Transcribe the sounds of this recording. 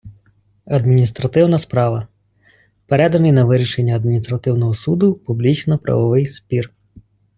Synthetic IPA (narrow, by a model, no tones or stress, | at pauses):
ɐd̪mʲinʲist̪ɾɐt̪ɪwnɐspɾɑʋɐ | peɾɛd̪ɐnɪjnɐʋɪɾʲiʃenʲːɐɐd̪̚mʲinʲist̪ɾɐt̪ɪwnɔɦɔsud̪ʊpublʲit͡ʃnɔpɾʔɐ̰ʋɔʋɪjspʲir